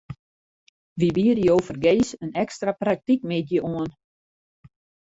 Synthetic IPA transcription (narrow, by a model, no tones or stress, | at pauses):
ʋibiərjəowfərɡeːsənɛkstraprak̚tikmetjəʔuən